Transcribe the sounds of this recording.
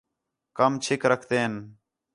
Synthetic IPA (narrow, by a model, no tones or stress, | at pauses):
kəmt͡ʃʰɪkɾəkʰt̪eːɦən